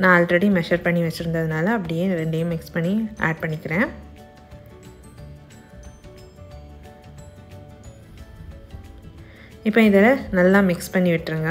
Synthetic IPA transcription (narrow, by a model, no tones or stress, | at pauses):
nãːɐlʈɾɐɽimɛʂɐɾpɐɳːiʋɐt͡ʃːɪɾɯnd̪ɐðɯnaːlɐːpːɐɽɪjeːɾɛɳɖɐjʊ̃mɪkspɐɳːiʔa̰ːɖ̚pɐɳːɪkːɪɾẽː | ɪpːoːɪðɐnɐlːaːmɪkspɐɳːiʋɪʈːɾɯŋɡɐ